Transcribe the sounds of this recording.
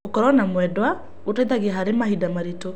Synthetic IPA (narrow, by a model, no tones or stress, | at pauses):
okɔɾɔnamwɛdwa | ɣotaiðaɣeaɦaɾemaɦidamaɾito